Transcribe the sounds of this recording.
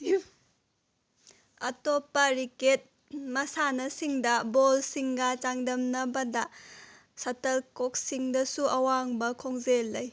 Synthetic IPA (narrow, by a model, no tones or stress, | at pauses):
ɐtopːɐɾiket̚ | mɐsanɐsiŋdɐbolsiŋɡɐt͡ʃaŋdɐmnɐbɐdɐ | sɐtɐlkok̚siŋdɐsuʔɐwaŋbɐkʰoŋzelːɐj